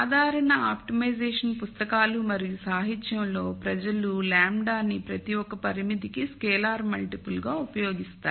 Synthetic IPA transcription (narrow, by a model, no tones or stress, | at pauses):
d̪ʱaːɾɐɳɐaːpʈimɐjd͡ʒɛːʂɐnpust̪ɐkaːlumɐɾijusaːɦit̪ːjɐmlo̞ːpɾɐd͡ʒɐlulaːmɖaːnːipɾɐt̪iwɔkːɐpɐɾimit̪ikiskɛːlaːɾmɐlʈipulɡaːupɐjoːɡist̪aː